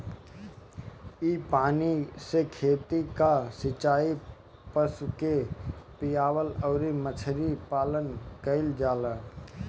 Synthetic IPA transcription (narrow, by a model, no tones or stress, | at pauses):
ipaːnisekʰeːt̪ikasɪt͡ʃaːi | pəskepɪjaːwəlɔːɾimət͡ʃʰɾipaːlənkəɪld͡ʒaːlaː